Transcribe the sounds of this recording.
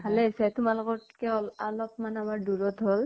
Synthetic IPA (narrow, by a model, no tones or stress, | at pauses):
bʱalesɛtumalʊkɔt̚kɛɔlalɔp̚manamaɹduɹɔtɦɔl